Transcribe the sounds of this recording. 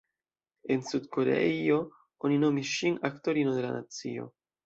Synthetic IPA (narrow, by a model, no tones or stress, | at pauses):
e̞nsudko̞ɾḛio̞ | o̞nino̞misʃinakto̞ɾino̞de̞la̰na̰t͡sio̞̰